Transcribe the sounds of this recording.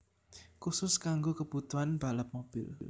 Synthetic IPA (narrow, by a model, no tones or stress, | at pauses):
kusʊskaŋɡokəb̥ut̪uɦanb̥a̤ləp̚mob̥ɪll